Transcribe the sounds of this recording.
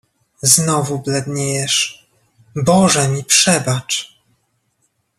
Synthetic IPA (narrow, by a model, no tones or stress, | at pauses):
znɔvublɛd̪ɲɛjɛʂ | bɔʐɛmʲipʂɛbat͡ʂ